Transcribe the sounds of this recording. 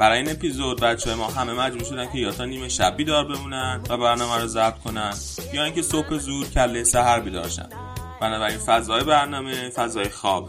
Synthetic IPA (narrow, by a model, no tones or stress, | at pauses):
b̥æɾɒːjiːne̞pizod̪̚bæt̪t͡ʃʰːjemɒːɦæme̞mæd͡ʒbuːɾʃo̞d̪æncʰe̞jɒːt̪ʰɒːniːme̞ʃæ̰bːiːd̪ɒːɾbe̞muːnænvæbæɾnɒːmæɾɔzæb̥̚t̪̚kʰo̞næn | jɒːiːcʰe̞sophe̞zuːɾcʰælːesæɦæɾbiːd̪ɒ̰ːɾʃæ̰n | b̥ænɒːbæɾinfæzɒːjebæɾnɒːmefæzɒːjexɒːb̥